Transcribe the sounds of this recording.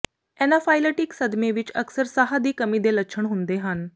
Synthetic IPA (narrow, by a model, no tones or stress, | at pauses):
ɛːnafʰaːɪləʈɪksəd̪meʋɪt͡ʃəksəɾsaɦad̪iːkəmid̪eləkːʃʰəɳ̃ɦʊnd̪eɦən